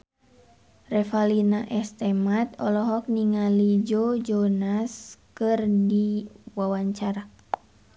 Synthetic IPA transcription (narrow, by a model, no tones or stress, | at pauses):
rɛfalinaʔɛst̪ɛmat̪̚ɔlɔɦɔk̚niŋalid͡ʒod͡ʒɔnaskɨrdiwawaɲt͡ʃaɾa